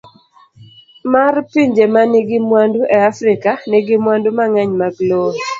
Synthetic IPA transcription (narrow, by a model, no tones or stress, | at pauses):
marpiɲd͡ʒemanɪɡɪmwanduʔɛafɾɪkanɪɡɪmwandumaŋaɲmaɡlo